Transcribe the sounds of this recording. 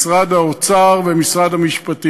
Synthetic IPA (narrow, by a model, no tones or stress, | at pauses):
sʁad̪haot͡saʁvemisʁad̪hamiʃpat̪i